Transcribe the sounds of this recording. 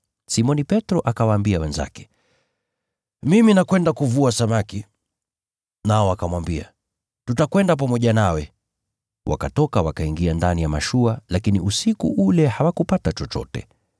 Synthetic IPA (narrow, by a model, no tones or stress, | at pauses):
simɔnipɛtɾɔʔakawaːmbiawɛnza̰kɛ̥ | miminakwɛndakuvuasamaki | naɔakamwambia̰ | tutakwɛndap̬amɔʄanawɛ | wa̰katɔkawakaiŋɡiandanijamaʃualakiniʔusikṵʔulɛhawakupatat͡ʃɔt͡ʃɔ̰tɛ̰